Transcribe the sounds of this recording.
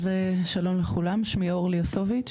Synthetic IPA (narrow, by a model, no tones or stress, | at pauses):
zeʃalo̞nleχulamʃmioʁliosovit͡ʃ